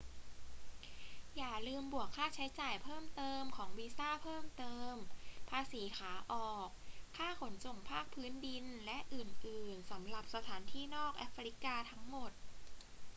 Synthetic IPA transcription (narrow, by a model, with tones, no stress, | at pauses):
jaː˨˩lɯː˧mbu˨˩əkʰːaː˥˩t͡ɕʰa˦˥jt͡ɕaː˨˩jpʰɤː˥˩mt̪ɤː˧mkʰɔː˩˦ŋwiː˧saː˥˩pʰɤː˥˩mt̪ɤː˧mpʰaː˧siː˩˦kʰaː˩˦ʔɔː˨˩kʰːaː˥˩kʰo˩˦nso˨˩ŋpʰaː˥˩k̚pʰɯː˦˥ndi˧nlɛ˦˥ʔɯː˨˩nʔɯː˨˩nsa˩˦mɾa˨˩p̚sa˧t̪ʰaː˩˦nt̪ʰiː˥˩nɔː˥˩k̚ʔa˦˥fɾi˦˥kaː˧t̪ʰa˦˥ŋmo˨˩t̪̚